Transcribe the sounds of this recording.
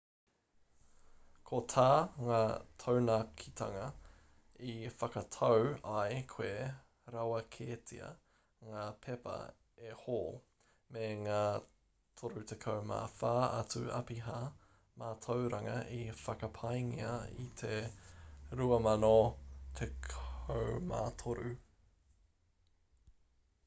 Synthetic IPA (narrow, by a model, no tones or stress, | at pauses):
kʰot̪ʰaːŋaːtʰownakʰit̪ʰɐŋɐ | ifɐkɐtʰɐwɐjkʰwe | ɾawɐkʰeːtʰḭɐ̰ | ŋaːpʰepɐ̰ | ehoː | meŋaː | t̪ʰoɾut̪ʰekʰowma̰ːfaːɐ̰t͡sʉɐ̰piɦaː | maːt̪ʰɐwɾɐŋɐʔifɐkɐpʰɐjŋḭɐ̰ḭt̪ʰe | ɾuɐmɐnot̪ʰekʰowma̰ːt̪ʰoɾʉ